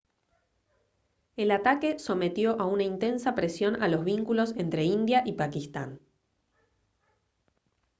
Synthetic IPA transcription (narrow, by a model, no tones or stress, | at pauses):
elat̪ake̞so̞me̞t̪jo̞ʔaunaint̪e̞nsapɾe̞sjo̞nalo̞zβiŋkulo̞se̞nt̪ɾe̞ind̪jaʔipakist̪an